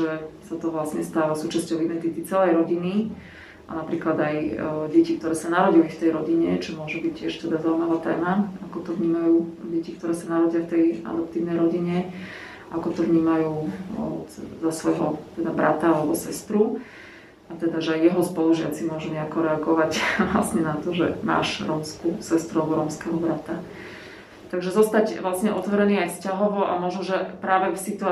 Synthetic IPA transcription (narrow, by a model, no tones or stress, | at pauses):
ʒɛsat̪ɔʋlasɲɛst̪aːʋasuːt͡ʃascɔʊid̪ɛnt̪it̪it͡sɛlɛjɾɔɟini | ʔa̰napɾiːklad̪ajɟɛcik̚t̪ɔɾɛːsanaɾɔɟilift̪ɛjɾɔɟiɲɛt͡ʃɔmʊɔʒɛbic̚cːɪɛʃt̪ɛd̪azauimaʋaːt̪ɛ̰ːmaakɔt̪ɔvɲiːmajuːɟɛcik̚t̪ɔɾɛːsanaɾɔɟiaft̪ɛja̰d̪ɔpt̪iːʊnɛjɾɔɟiɲɛ | akɔt̪ɔʋɲiːmajuː | zasʋɔjɦɔt̪ɛd̪abɾa̰t̪aalɛbɔsɛst̪ɾu | at̪ɛd̪aʒɛajjɛɦɔspɔluʒɪat͡simʊɔʒɛmɲɛakɔɾɛaɡɔʋacʋla̰sɲɛnat̪ɔʒɛma̰ːʃɾɔːmskusɛst̪ɾualbɔɾɔːmskɛɦɔbɾat̪a | t̪aɡʒɛzɔst̪acʋlasɲɛʔɔt̪ʋɔɾɛniːajscaɦɔʋɔʔamɔʒnɔʒɛpɾaːʋɛfsit̪ua